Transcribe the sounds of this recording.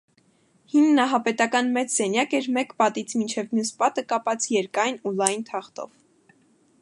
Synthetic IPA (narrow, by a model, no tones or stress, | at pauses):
hinnɑɦɑpɛt̪ɑkɑnmɛt͡sʰzɛnjɑkɛɾmɛkpɑt̪it͡sʰmint͡ʃʰɛvmjuspɑt̪əkɑpɑt͡sʰjɛɾkɑjnulɑjnt̪ʰɑχt̪ɔ̰v